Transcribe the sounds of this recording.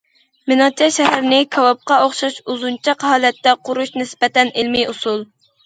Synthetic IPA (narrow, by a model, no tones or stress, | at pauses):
mɪnɑt͡ʃʰɛʃɛɦæɾɪnɪkʰɑwɑp̚qɑoχʃɑʃuzunt͡ʃʰɑqhɑːlɛt̪ːɛqʰʊɾuʃnɪspɛt̪ɛnɪlmiʔusulˠ